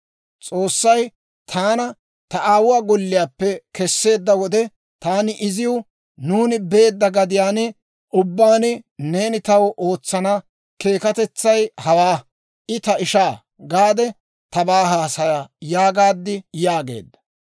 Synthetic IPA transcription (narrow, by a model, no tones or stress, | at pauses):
t͡sʼo̞ːsːɐj | t̪ʰaːnɐ | t̪ɐaːwʊwaːɡɔlːɪjaːpːɛkɛsːe̞ːd̪ːɐwɔd̪ɛ | t̪aːnɪʔɪzɪjʊ | nuːnɪbe̞ːd̪ːɐɡɐd̪ɪjaːnɪ | ʔʊbːaːnɪne̞ːnɪt̪ɐwʔo̞ːt͡sːɐnɐ | ke̞ːkɐt̪ɛt͡sːɐjhɐwaː | ʔɪt̪ɐɪʃaː | ɡaːd̪ɛ | t̪ɐbaːɦaːsɐjajaːɡaːd̪ːɪjaːɡe̞̰ːd̪ːɐ̥